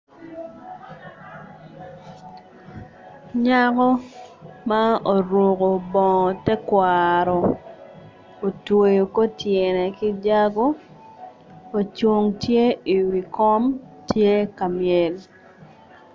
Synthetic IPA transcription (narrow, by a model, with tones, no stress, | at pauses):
ɲa˦kɔ˦ma˦o˨ɾwo˨ko˨bɔ˨ŋɔ˨tɛ˦kwa˨ɾɔ˨ | o˨two˨jo˨ko˦tjɛ˨nɛ˨ki˦d͡ʒa˦ɡo˦ | o˨t͡ʃo˦ŋtje˦i˨wi˨kɔ˦mtje˦ka˨mjɛ˨l